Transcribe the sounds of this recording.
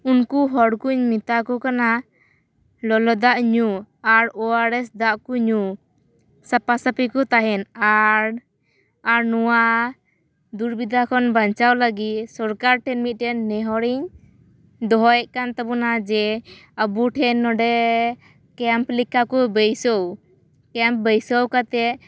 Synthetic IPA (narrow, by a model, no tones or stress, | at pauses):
unkuɦɔɽkuɲmit̪akɔkana | lɔlɔd̪aʔɲu | aɾɔaɾɛsd̪aʔkuɲu | sapasapikɔt̪aɦɛnaɾ | aɾnɔwa | d̪uɾbid̪ʱakʰɔnbaɲt͡ʃawləɡit̪̚sɔɾkaɾʈɛnmit̪̚ˀʈɛnːɛɦɔɽiɲ | d̪ɔɦɔjɛʔ̚kant̪ɔbɔnad͡ʒɛəbuʈʰɛnːɔɖɛ | kɛmplikakɔbəjsɔw | kɛmp̚bəjsɔwkat̪ɛ